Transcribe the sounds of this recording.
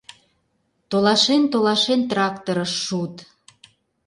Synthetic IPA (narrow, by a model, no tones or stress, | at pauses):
t̪olɑʃent̪olɑʃent̪rɑkt̪oɾəʃːut̪